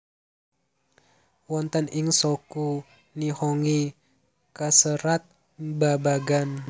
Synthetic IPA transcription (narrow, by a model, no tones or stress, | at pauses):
wɔnt̪əniŋsɔku | nihɔŋi | kasəɾat̪̚ | babaɡan